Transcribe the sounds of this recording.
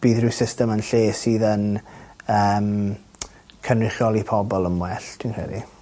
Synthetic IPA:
b̥iːðrɪsɪstɛmənɬeːsiːðənəːm | kʰənrɪχjɔlˠipʰɔbɔlˠəmwɛɬtʰwinkr̥ɛ̰di

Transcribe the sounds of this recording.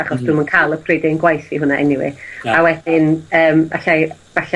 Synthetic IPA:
aχɔsd̥umənkʰalˠəpʰredɪnɡwajθiɦʊnaʔɛ̰nɪwḭawɛθɪnəːma̰ɬajvaɬa

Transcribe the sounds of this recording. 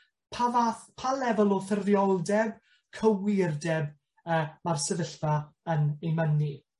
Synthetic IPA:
pʰaapʰalɛvɔlˠɔθɪrðjɔlˠdɛb̚ | kʰəwɪrdɛb | əːmarsəvəɬvaənejməni

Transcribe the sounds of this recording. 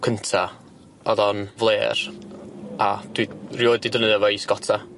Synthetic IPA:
kʰəntʰa | ɔðɔnvlˠeːr | ad̥wirjoːɨdidənəðavɔisɡ̥ɔtʰa

